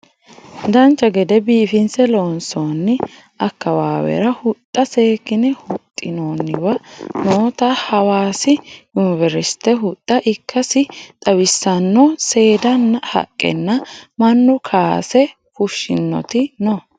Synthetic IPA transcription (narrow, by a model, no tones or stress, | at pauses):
d̪ɐnt͡ʃːɐɡɛd̪ɛbiːfɪnsɛloːnsoːnːɪ | ɐkːɐwaːwɛ̰ɾɐhʊt̪ʼːɐse̞ːkːɪnɛhʊt̪ʼːɪnoːnːɪwɐnoːt̪ɐhɐwaːsɪjʊnɪvɛɾɪst̪ɛɦʊt̪ʼːɐʔɪkːɐsɪt̪ʼɐwɪsːɐnːɔse̞ːd̪ɐnːɐhɐ̰kʼːɛ̰nːɐmɐnːʊkʰaːsɛ | kʊʃːɪnːɔ̰t̪ɪnɔ